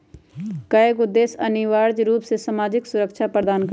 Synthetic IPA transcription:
kəeɡʊd̪eːsɐniʋaːɾd͡ʒɾuːpsesamaːd͡ʒɪksʊɾəkʃʰapɾəd̪aːnk

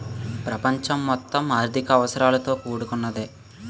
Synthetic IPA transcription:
pɾɐpɐɲt͡ʃɐmːɔt̪ːɐmaːɾd̪ʱikɐːʋɐsɐɾaːlɐt̪o̞ːkuːɽukunːɐd̪e

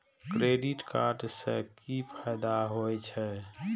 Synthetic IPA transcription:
kɾeːɖɪʈka̰ːɾɖsḛkipʰɛːd̪aɦoɛt͡ʃʰɛ

